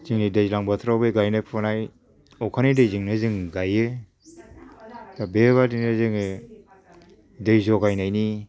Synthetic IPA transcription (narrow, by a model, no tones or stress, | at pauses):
ziŋnidejzlaŋbatʰɾabeɡajnajpʰɔnaj | ɔkʰanidejziŋnɯziŋɡaje | tabeβadinɯzɯŋ | dejzɔkajnajni